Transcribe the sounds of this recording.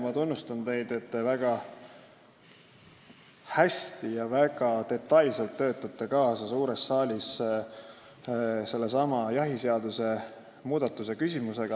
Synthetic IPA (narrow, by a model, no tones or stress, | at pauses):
mɑt̪unːust̪ɑnt̪e̞jd̪̥e̞t̪ːe̞væɡ̥ɑ | hæst̪ijɑvæɡ̥ɑt̪e̞t̪ˑːɑjlselt̪ːø̞ːt̪ːˑɑt̪ːˑe̞kɑːsɑsuːɾe̞sːɑːlʲis | se̞lːe̞sɑmɑjɑɦise̞ɑd̪use̞ | muːd̪̥ɑt̪ːˑuse̞kysʲimuse̞ɡ̥ɑ